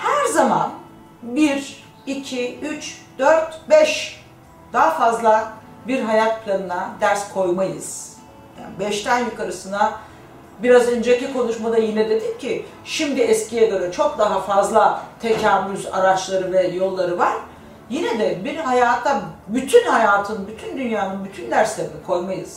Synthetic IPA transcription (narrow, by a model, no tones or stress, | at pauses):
hæɾzaman | biɾ | icʰiyt͡ʃd̪̥øɾt̪bɛʃ | d̪̥aɦafazlˠa | biɾɦajat̪̚pʰlʲanɯnad̪æɾskʰo̞jmajɯ̰z̥ | ja̰ːnibɛʃt̪ʰænjukʰaɾɯsɯna | biɾazynd͡ʒecʰɛkʰo̞nuʃmad̪ajinɛd̪e̞d̪imcʰi | ʃimd̪iɛscijed̪aɾɯt͡ʃʰo̞k̚d̪aɦafazlˠat̪ʰecʰaːvyza̰ɾat͡ʃlˠaɾɯvɛjo̞lˠːaɾɯvaɾ̥ | jinɛd̪ɛbiɾhajaːt̪ʰːabyt̪ʰynhajaːt̪ʰɯnbyt̪ʰynd̪ynjaːnɯnbyt̪ʰynd̪æɾslʲe̞ɾinikʰo̞jmajɯz̥